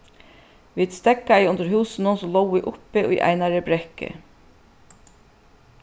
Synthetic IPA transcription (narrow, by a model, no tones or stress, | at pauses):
ʋiːd̪st̪ɛkːaiʊnt̪əɾɦuːsɪnʊnsɔlɔwɪʔʊpɪʔujʔa̰jnaɾəbɾɛkɪ̰